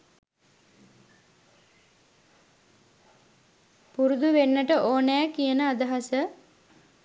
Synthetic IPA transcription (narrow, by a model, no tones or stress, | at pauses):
puɾud̪uʋenːəʈəʔoːnɛːkijənəad̪əɦasə